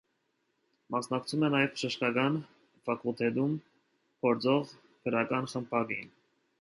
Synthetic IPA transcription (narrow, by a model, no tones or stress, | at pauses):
mɑsnɑkt͡sʰumɛnɑjɛvpʰʃəʃkɑkɑn | fɑkʰult̪ʰɛd̪um | pʰɔɾt͡sɔʁ | kʰəɾɑkɑnχəmpʰɑɡḭn